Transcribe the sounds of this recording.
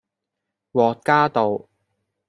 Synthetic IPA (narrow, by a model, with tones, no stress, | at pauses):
wɔː˨t̚kaː˥t̪o˨w